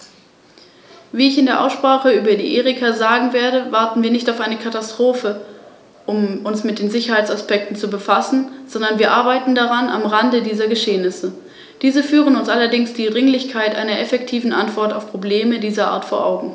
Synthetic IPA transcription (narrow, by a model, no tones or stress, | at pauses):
viːɪçɪndeːɐʔa̰ʊsʃpʁ̥aːχəyːbɐdḭːʔeːʁɪkʰazaːɡŋ̩veːɐdəvaɐtn̩viːɐnɪçtaʊfaɪnəkʰatastʁ̥oːfə | ʔʊmʔʊnsmɪt̚d̥eːnzɪçɐhaɪt͡ssaspɛk̚tn̩t͡subəfasn̩z̥ɔndɐnviːɐʔaɐbaɪtn̩daʁana̰mʁandədiːzɐɡəʃeːənɪsə | d̥iːzəfyːʁənʊnsʔalɐdɪŋsd̥iːdʁɪŋlɪçkʰaɪtʔa̰ɪnɐʔɛfɛk̚tʰiːvn̩ʔantv̥ɔɐtaʊfpʁ̥obleːmədiːzɐʔa̰ːɐtfoːɐʔa̰ʊɡŋ̩